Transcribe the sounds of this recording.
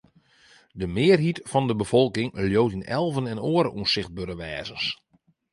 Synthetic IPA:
dəmɪːərɦitfɔndəbəfɔlˠkɪŋljowtinɛ̰lˠvənɛnoːəɾəʔusɪxt̚bøɾəʋɛːzəns

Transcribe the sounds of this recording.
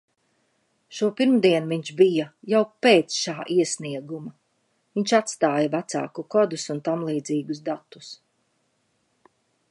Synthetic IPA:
ʃuɔpiɾmd̪iɛnviɲt͡ʃbijɐjawpeːt̪sʃaːʔiɛsniɛɡumɐ | viɲʲt͡ʃat̪st̪aːjavæt̪sa̰ːkukɔd̪usunt̪amlˠiːd̪ziːɡusd̪at̪ːu̥s

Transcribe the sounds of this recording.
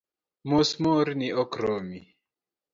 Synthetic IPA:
musmoɾniʔɔkɾɔmi

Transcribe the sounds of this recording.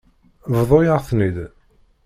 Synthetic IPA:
vðˤojəʁθnið

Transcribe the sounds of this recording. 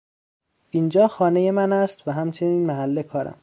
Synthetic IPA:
ind͡ʒɒːxɒːneje̞mænæst̪væɦæmt͡ʃʰe̞niːnmæɦælːekʰɒːɾæ̰m

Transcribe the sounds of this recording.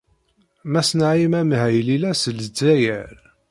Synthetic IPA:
mæsnaʕimæmhæjlilæsəld͡zæjəɾ

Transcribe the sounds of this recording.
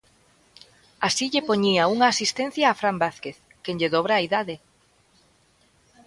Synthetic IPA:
asiʎepoɲiauŋaːsist̪ẽn̟θjaːfɾambaθkeθ | keɲʎeðoβ̞ɾaːiðaðɪ

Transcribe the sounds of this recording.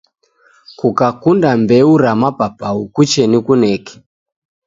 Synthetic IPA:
kukakundambɛuɾamapapaukut͡ʃɛnikunɛkɛ̥

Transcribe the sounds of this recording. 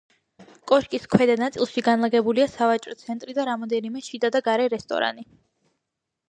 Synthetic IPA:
kʼɔʃkʼiskʰwɛd̪anat̪sʼilˠʃiɡanlˠaɡɛbuliasavat͡ʃʼɾɔt̪sʰɛnt̪ʼɾid̪aɾamɔd̪ɛnimɛʃid̪ad̪aɡaɾɛɾɛst̪ʼɔ̰ɾa̰ni

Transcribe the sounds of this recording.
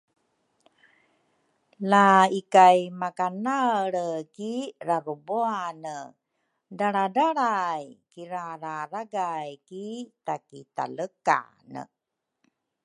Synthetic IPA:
laikajmakanaɭəkirabəboanə | daɾadaɽajkiɾaɾaɾaɡajkitakita̰ləka̰ | nə̰

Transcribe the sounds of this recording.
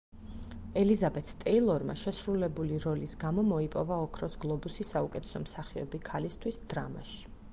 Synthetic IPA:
ɛlizabɛt̪ʰt̪ʼɛilˠɔɾma̰ʃɛsɾulɛbuliɾɔlisɡamɔmɔipʼɔvaɔkʰɾɔsɡlˠɔbusisaukʼɛt̪ʰɛ̥sɔmsaχiɔ̰bikʰalist̪ʰwisd̪ɾa̰ma̰ʃi̥

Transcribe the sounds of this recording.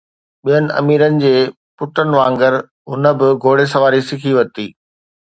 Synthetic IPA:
ɓijənɪ̆ʔɐ̰miːɾənɪ̆d͡ʑeː | pʊʈənɪ̆ʋãːŋɡəɾ | ɦʊnə̆bɪɡʱoːɽes̬ɐʋaːɾisɪkʰiʋɐt̪iː

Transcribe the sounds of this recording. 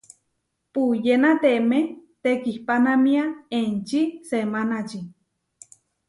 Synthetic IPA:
pujenat̪emet̪ekihpanamiaent͡ʃisemanat͡ʃi

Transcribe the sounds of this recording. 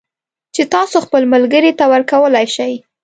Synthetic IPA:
t͡ʃet̪ɑsoxpəlmalɡəɾit̪awəɾkawəlajʃaj

